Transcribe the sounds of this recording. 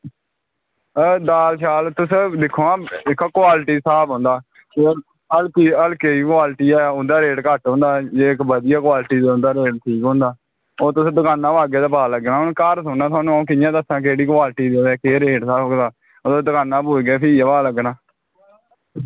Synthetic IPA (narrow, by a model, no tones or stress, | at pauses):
d̪aːlʃaːlt̪ʊsd̪ɪkʰoːãːɪkːkʊwaːlʈiːsaːbɦõːnd̪aː | e | əlkiːəlkeiːkwaːlʈiːɛːʊd̪aːɾeːʈkəʈɦõːnd̪aːd͡ʒeːɪkbəd̪ɪjaːkwaːlʈiːõnd̪aːɾeːʈʈʰiːkɦõːnd̪aː | oːt̪ʊsd̪əkaːnːãːbaːɡeːd̪aːpaːləɡnaːʊnkəɾsʊnãːt̪ʰaːnũãːkɪjãːd̪əsãːk̬eːɽiːkʊaːlʈiːd̪eːɛːkeːɾeːʈsaːd̪aː | oːt̪ʊd̪əkaːnːãːpoːiɡɛːpʰɪijaːpaːləɡnaː